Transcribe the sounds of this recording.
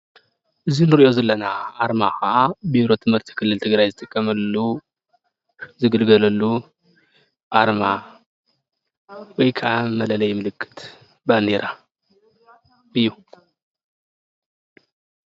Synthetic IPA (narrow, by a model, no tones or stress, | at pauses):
ʔɨzinɨɾiʔozɐlːɐnaʔaɾmaxaabiɾo̞t̪ʰɨmhɨɾt̪ʰi̥kʰɨlːɨlt̪ʰɨɡɾajzɨt̪ʼɨkʼːɐmɐlu | zɨɡɨlɡɐlɐlːu | ʔaɾma | wɔjkʰaʔamɐlɐlɐjmɨlɨkːɨ̥t̪ʰ | band̪eɾa | ɨjːu